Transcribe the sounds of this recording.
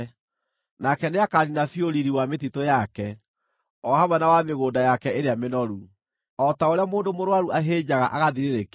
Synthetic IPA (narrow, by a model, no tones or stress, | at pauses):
nakɛneakaɾinafioɾiɾiwametitojakɛ | ɔhaβanawameɣoːdajakɛeɾeamenɔɾu | ɔtaoɾeamoːndomoɾwaɾuaɦed͡ʑaɣaʔaɣaðiɾeɾek